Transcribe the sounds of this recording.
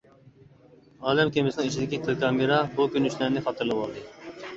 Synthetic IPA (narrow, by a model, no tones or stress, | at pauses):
ɑːlɛmkʲemɪsɪnɪŋit͡ʃʰid̪ɪkʲikʰɨlkʰɑːmeɾɑbukʲynyʃlæɾnɪχɑt̪ʰɨɾlˠɨwɑlˠd̪ɨ